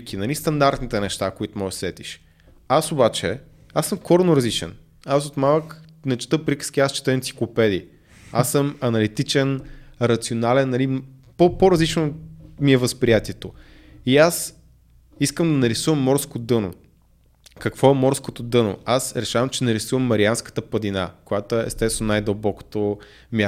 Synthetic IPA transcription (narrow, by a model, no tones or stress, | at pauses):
kʲinɐlist̪ɐnd̪aɾt̪nit̪ɛnɛʃt̪akoit̪ʊmɔjsɛt̪iʃ | asobat͡ʃɛ̰ | asəmkɔɾnoɾɐzlit͡ʃɛ̰n | asot̪malˠək | nɛt͡ʃɛ̥t̪əpɾikə̥sk̟iast͡ʃɛ̥t̪əɛnt̪si̥klˠopɛd̪ḭ | a̰sːɤmɐnɐlit̪it͡ʃɛnɾɐt̪sionalɛnːɐli | popoɾɐzlit͡ʃnomiɛvəspɾijat̪iɛt̪o | ias | iskəmd̪ɐnɐɾisuvəmːɔɾskod̪ɤno̰ | kɐkvɔɛmɔɾskot̪od̪ɤno̰asɾɛʃavəmt͡ʃɛnɐɾisuvəmːɐɾianskə̥t̪əpəd̪ina̰kojat̪ɛɛ̰st̪ɛst̪vɛnʊnajd̪əlˠbɔko̥t̪o | mʲa